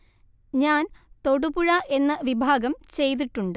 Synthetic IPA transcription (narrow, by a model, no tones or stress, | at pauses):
ɲaːnt̪o̞ɽubuɻɐʔe̞nːɐʋibʱaːɡɐmt͡ɕe̞jt̪̬iʈːuɳɖɨ